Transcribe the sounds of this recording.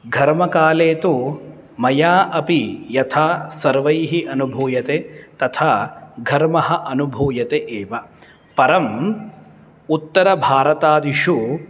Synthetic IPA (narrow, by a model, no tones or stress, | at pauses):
ɡʱɐɾmɐkaːleːt̪u | mɐjaːʔɐpijɐt̪ʰaːsɐɾʋɐjɦiʔɐnubʱuːjɐt̪eːt̪ɐt̪ʰaːɡʱɐɾmɐɦɐʔɐnubʱuːjɐt̪eʔeːʋɐ | pɐɾɐm | ut̪ːɐɾɐbʱaːɾɐt̪aːd̪iʃu